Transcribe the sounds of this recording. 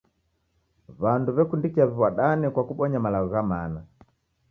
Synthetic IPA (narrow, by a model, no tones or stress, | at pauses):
βanduβɛkundikiaβiβwaɗanikwakuɓɔɲamalaɣɔɣamana